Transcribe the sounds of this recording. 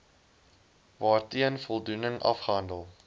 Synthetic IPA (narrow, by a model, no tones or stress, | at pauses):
vɑːrtiənfɔlˠdunəŋʔɐ̰fχəɦɐndəlˠ